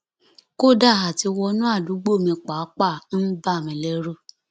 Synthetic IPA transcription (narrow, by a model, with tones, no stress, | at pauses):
ko˦da˦˨ɦa˨ti˧wɔ˧˦nũ˦a˦˨du˨˦ɡ͡bo˦˨mĩ˧k͡pa˨˦k͡pa˦˨n̩˦ba˦˨mĩ˨lɛ˦ɾu˦